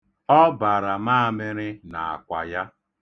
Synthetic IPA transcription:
ɔ˦ba˨ɾa˨ma˦˨mɪ˦ɾɪ˦na˨a̰˨kʷa̰˨ja˦

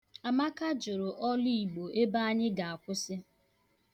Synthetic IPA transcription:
a˨ma˦ka˦d͡ʒʊ˨ɾʊ˨ʔɔ˦li˦i˨ɡ͡bo˨e˦ba˦a˦ɲɪ˦ɡa˨a˨kʷʊ˦sɪ˦

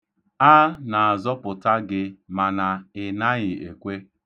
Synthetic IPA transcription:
a˦na˨a˨zɔ˦pʊ˨ta˦ɡɪ˦ma˨na˨ɪ˨na˦ɣɪ˨ḛ˨kʷe˦

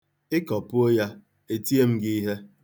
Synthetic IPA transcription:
ɪ˦kɔ˨pʊ˦o˦ja˦ | e˦ti˦e˦m̩˦ɡɪ˦i˦ɦe˦

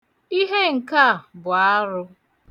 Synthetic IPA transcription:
i˦ɦe˦ŋ̩˨ka˦˨bʊ˨a˦ɾʊ˦

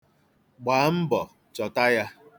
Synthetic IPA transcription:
ɡ͡baː˨˦m̩˦bɔ˨ | t͡ʃɔ˨ta˦ja˦

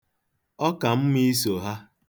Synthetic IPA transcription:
ɔ˦ka˨m̩˦mi˦so˨ɦa˦

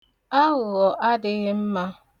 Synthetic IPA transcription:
a˦ɣʊ˨ɣɔ˨ʔa˦dɪ˦ɣɪ˦m̩˦ma˦

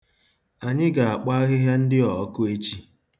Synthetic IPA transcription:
a˨ɲɪ˦ɡa˨a˨k͡pa˦a˦ɣɪ˦ɦja˦n̩˦dɪ˦ɔ˨˦kʊ˦e˦t͡ʃi˦

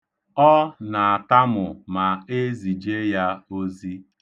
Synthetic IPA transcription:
ɔ˦na˨a˨ta˦mʊ˨ma˨e˦zi˨d͡ʒe˦ja˦o˦zi˦

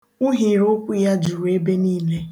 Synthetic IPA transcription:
ʊ˦ɦi˨ɾʊ˦kʷu˦ja˦d͡ʒu˨ɾu˨˦e˦be˦niː˦˨le˦

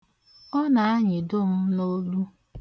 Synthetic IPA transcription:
ɔ˦na˨a˦ɲɪ˨dʊ˦m̩˦no˦lu˦

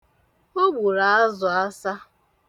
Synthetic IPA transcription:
o˦ɡ͡bu˨ɾa˨a˦zʊ˨a˦sa˦

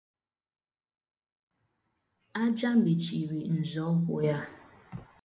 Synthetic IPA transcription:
a˦d͡ʒa˦m̩˦bi˨t͡ʃi˨ɾi˨n̩˨zɔ˦kʷʊ̰˨ja˦

